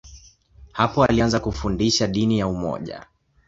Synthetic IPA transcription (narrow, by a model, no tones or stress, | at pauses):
hapɔalianzakufundiʃaɗinijaumɔ̰ʄa̰